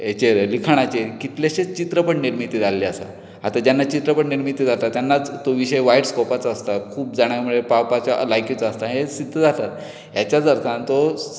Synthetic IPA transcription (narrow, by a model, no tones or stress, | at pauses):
et͡ɕeɾlikʰaɽ̃at͡ɕekit̪leɕet͡ɕit̪ɾəpəʈniɾmit̪id͡zʱalːeasa̰ | at̪ad͡ʑanːat͡ɕit̪ɾəpəɳniɾmit̪id͡zʱat̪at̪janːat͡st̪oʋiɕəjʋaiʈskɔpat͡saːst̪akʰuːp̚d͡zaɽ̃jaməɽjepawpat͡ɕalajkjit͡saəst̪aɦesid̪ʱːəd͡zat̪at̪ | jat͡ɕjat͡səɾt̪ʰãnt̪o